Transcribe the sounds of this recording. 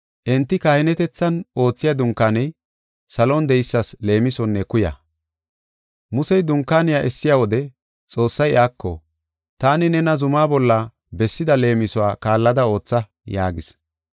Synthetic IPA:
ʔɪnt̪ːɪkaːhɪnɛt̪ɛt͡sːɐno̞ːt͡sːɪjɐd̪ʊŋkːaːnɛj | sɐlond̪ɛjɪsːɐsle̞ːmɪsɔnːɛkʊjɐ̰ | mʊsɛjd̪ʊŋkːaːnɪjaʔɛsːɪjaːwɔd̪ɛ | t͡sʼo̞ːsːɐjaːkːɔ̰ | t̪aːnɪnɛnɐzʊmaːbɔlːɐ | bɛsːɪd̪ɐle̞ːmɪsɔwaːkaːlːɐd̪ɐo̞ːt͡sːɐ | ja̰ːɡɪs

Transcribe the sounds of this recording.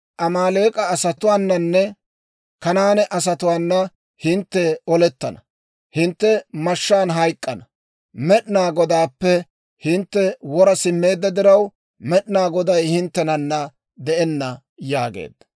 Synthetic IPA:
ʔɐmaːleːkʼɐːsɐt̪ʊwaːnːɐnːɛ | kɐnaːnɛʔɐs̬ɐt̪ʊwaːnːɐ | hɪnt̪ːɛɔlɛt̪ːɐnɐ | hɪnt̪ːɛmɐʃːaːnɦɐjkʼːɐnɐ | mɛɗnaːɡɔd̪aːpːɛ | hɪnt̪ːɛwɔɾɐsɪmːe̞ːd̪ːɐd̪ɪɾɐw | mɛɗɪnaːɡɔd̪ɐjhɪnt̪ːɛnɐnːɐ | d̪ɛʔɛnːɐ | jaːɡḛːd̪ːɐ̥

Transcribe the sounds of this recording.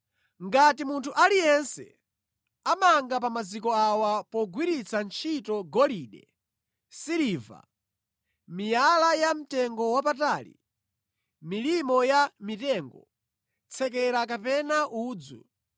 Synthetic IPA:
ŋɡatimuntʰuʔalijɛnsɛ̰ | amaŋɡap̬amazikɔawapɔɡwiɾit͡sʰant͡ʃʰitɔɡɔliɗɛ | siɾiːva̰ | mijalajam̩tɛŋɡɔwapataːlḭ | milimɔjamitɛŋɡɔ | t͡sʰɛk̬ɛɾak̬apɛnaʔuːd͡zṵ

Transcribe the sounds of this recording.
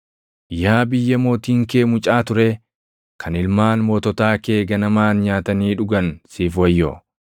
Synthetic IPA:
jaːbɪjːɐmo̞ːt̪iːŋkeːmʊt͡ʃʼaːt̪ʊɾe | kʰɐnɪlmaːnmoːt̪ɔt̪aːke̞ːɡɐnɐmaːnɲaːt̪ɐniːᶑʊɡɐnsiːfwɐjːo̰

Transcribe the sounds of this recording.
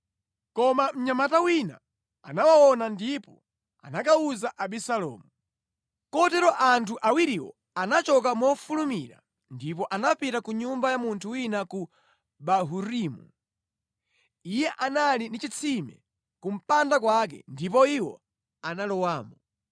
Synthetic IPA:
kɔmam̩ɲamatawina̰ | anawawɔnandipɔ | a̰nakauzaʔaɓisalɔ̰ːmu | kɔtɛɾɔʔantʰuʔawiɾiwɔ̰ | anat͡ʃɔk̬amɔfulumiɾa̰ | ndipɔʔanapitakuɲumbajamuntʰuwinaku | ɓaɦuɾimṵ | ijɛʔanalinit͡ʃit͡sʰimɛ̰ | kum̩pandakwak̬ɛ̰ndip̬ɔiwɔ̰ | analɔwaːmbɔ

